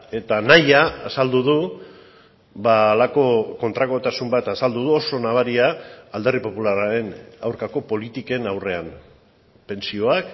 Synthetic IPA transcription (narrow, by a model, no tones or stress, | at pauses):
e̞t̪anajaːsald̪uð̞u | βaːlako̞ko̞nt̪ɾaɣo̞t̪asumbat̪asald̪uð̞uo̞so̞naβaɾiaːld̪e̞ripo̞pulaɾaɾe̞nawɾkako̞po̞lit̪ike̞nawre̞am | pe̞nsio̞ak